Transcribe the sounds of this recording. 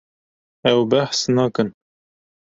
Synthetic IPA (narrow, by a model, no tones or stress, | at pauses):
ɛwbæħsnɑkən